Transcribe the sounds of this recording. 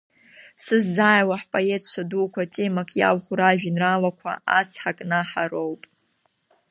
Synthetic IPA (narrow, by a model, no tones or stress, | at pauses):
sɨzːaːjwaħpʼoe̞tʰʼʃʷʰaduːkʷʰatʼemakʼja̰wχʷʊɾaʒᶣinralakʷʰa̰at͡sʰħakʼnaħaɾo̞wpʼ